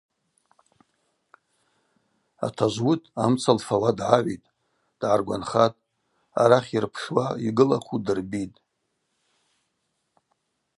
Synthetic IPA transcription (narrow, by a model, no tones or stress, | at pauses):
a̰tʰaʒʷwutʰʼamt͡sʰalfawadʕaʕʷitʼ | d̥ʕarɡʷa̰nχatʼ | a̰ɾaχʲirpʰʂwaiɡɨla̰χʰʷudɨrbitʼ